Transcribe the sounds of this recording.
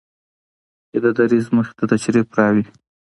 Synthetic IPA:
t͡ʃed̪əd̪aɾizməxe̥t̪at̪at͡ʃɾipɾɑwi

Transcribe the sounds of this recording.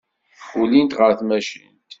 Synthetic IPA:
ulint̪ʁəɾθmæʃə̰nt̪

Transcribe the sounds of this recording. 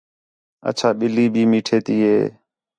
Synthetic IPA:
ə̰t͡ʃʰaːɓɪliːbʱiːmiːʈʰeːt̪iːɦeː

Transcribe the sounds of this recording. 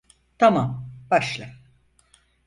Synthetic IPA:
t̪ʰamamb̥aʃlˠa

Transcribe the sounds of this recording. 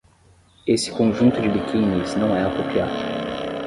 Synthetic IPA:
esɪ̥kõʒũnt̪ʊd͡ʒɪbikʰĩniznɐ̃w̃ɛakopia̰d̪ʊʊ

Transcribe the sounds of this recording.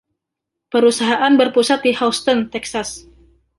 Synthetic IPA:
pəɾusaɦaʔanbərpusat̪̚dihawst̪ɔnt̪ɛksas

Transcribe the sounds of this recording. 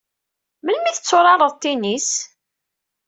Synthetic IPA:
mənmiθət͡sːʊɾˤɑɾˤəðˤt̪ːinis

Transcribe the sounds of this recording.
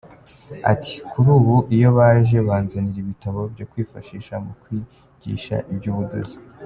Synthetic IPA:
a̰tʰi̥kʰuɾuːβuʔijo̞βaʒe̞βaːnzaniɾiβitaβo̞bjo̞kwiːfaʃiːʃamukwi | ɟ̥ḭːʃa̰ʔibjuːβudo̰zi

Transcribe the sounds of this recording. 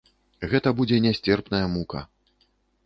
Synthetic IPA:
ɣɛt̪ɐbud͡zʲɛnʲasʲt͡sʲɛrpnɐjɐmukɐ̰

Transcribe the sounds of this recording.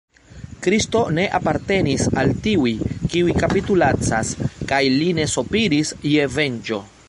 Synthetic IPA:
kɾisto̞ne̞ʔapaɾte̞nisaltiujkiujkapitulat͡saskajline̞sopiɾisje̞ve̞nd͡ʒo̞

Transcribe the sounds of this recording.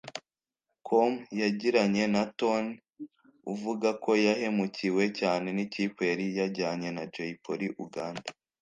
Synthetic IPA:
kʰomjaɟiɾaɲe̞naton | uvuɡako̞jahe̞muciwe̞caːne̞nicipwe̞ɾijaɾɟaːɲe̞nad͡ʒeipoɾiʔuɡaːndḁ

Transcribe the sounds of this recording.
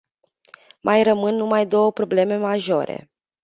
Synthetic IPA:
mʔajrəmɨnːumajd̪o̞wəpɾo̞ble̞me̞maʒo̞ɾe̞̰

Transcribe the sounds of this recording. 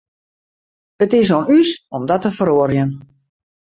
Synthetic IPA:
ətɪs̬onysɔmdɔtəfəɾoərjən

